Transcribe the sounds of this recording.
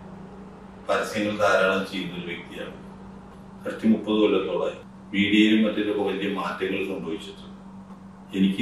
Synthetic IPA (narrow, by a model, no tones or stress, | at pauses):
pɐɾɐsjɐŋːɐɭt̪aːɾaːɳɐmt͡ɕejːunːoɾuʋek̚t̪ija̰ːʋu | ɐrɐt̪ːimupːɐðɨolːɐt̪ːoːɭa̰ːji | ʋiːɽijoilummɐtːiɾokːɐʋɐlijɐmaːtːɐŋːɐɭsɐmboːʋit͡ɕːɐtːɨ | enikʲː